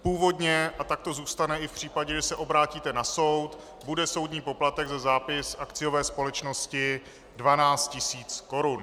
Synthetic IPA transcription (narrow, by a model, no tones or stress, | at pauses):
puːvo̞dɲɛʔat̪ak̚t̪o̞zuːst̪anɛʔɪfpr̝̥iːpaɟɛʒɛsɛʔo̞bɾaːciːt̪ɛnaso̞wt̪ | budɛso̞wdɲiːpo̞plat̪ɛɡzazaːpɪsʔakt͡sɪjo̞vɛːspo̞lɛt͡ʃno̞scɪ | dvanaːt͡st̪̚cɪsiːt͡sko̞ɾun